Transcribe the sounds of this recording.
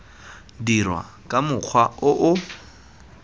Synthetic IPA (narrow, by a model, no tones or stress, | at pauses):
dirwa̰ | kʼamʊk͡xʰwaʊʔʊ